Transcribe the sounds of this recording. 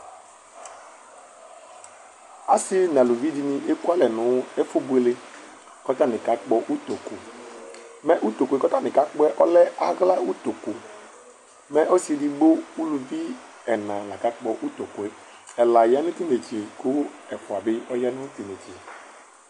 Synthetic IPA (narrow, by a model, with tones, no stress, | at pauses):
a˦sɪ˦nã˨lu˨vi˦di˦nɪ̃˦e˦ku˦a˦lɛ˨nʊ̃˨˦e˦fo˦bu˦e˦le˦ | kɔ˦ta˦nɪ̃˨ka˦k͡pɔ˦ʔu˦t̪o˨ku˨ | mɛ˦ʔu˦t̪o˨ku˨e˨kɔ˦t̪a˦nɪ̃˨ka˦k͡pɔ˦ɛ˦ʔɔ˦lɛ˦a˨ɣla˦u˦t̪o˨ku˨ | mɛ˦ʔo˦si˨e˨di˦ɡ͡bo˦u˦lu˨vi˦ | ɛ˨nã˨la˨ka˦k͡pɔ˦ʔu˦t̪o˨ku˨ɛ˦ | ɛ˨la˨ja˦nʊ̃˦t̪i˦ne˨t͡ʃe˨kʊ˦ɛ˨fʊ˨a˨bɪ˦ɔ˦jɛ˦nʊ̃˦t̪i˨ne˨t͡ʃe˨